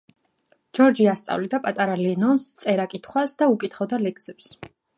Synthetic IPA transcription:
d͡ʒɔɾd͡ʒiast̪sʼa̰vlid̪apʼat̪ʼaɾalɛnɔnst̪sʼɛɾakʼit̪ʰχwasd̪aukʼit̪ʰχɔd̪alɛksɛps

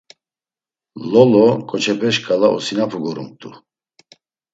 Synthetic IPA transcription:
lɔlɔkʼɔt͡ʃʰɛpʰɛʃkʰʼalaʔɔ̰sinapʰuɡɔɾumt̪ʼu

